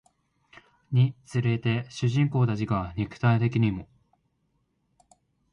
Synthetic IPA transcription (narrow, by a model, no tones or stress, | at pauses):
ɲ̟it͡sɨɾe̞t̪e̞ɕɨʑĩŋko̞ːd̪aʑiɡaɲ̟ikɯ̟̥t̪ait̪e̞kʲiɲ̟imo̞